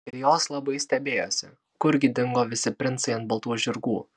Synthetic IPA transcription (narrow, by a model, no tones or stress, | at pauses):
ɪɾjoːslˠɐbɐɪsʲt̪ʲɛbʲeːjo̰ːsʲɪ | kʊɾʲɡʲɪd̪ʲɪŋɡoːʋʲɪsʲɪpʲɾʲɪnt̪sɐɪɐnt̪bɐlˠt̪uːʒʲɪɾɡuː